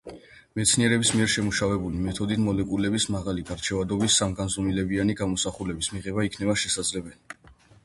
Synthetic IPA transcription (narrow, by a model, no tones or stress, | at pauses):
mɛt̪sʰniɛɾɛbismiɛɾʃɛmuʃavɛbulimɛt̪ʰɔd̪it̪ʰmɔlɛkʼulɛbismaʁaliɡaɾt͡ʃʰɛvad̪ɔbisːamɡanzɔmilɛbianiɡamɔsaχulɛbismiʁɛbaikʰnɛbaʃɛsad̪zlɛbɛli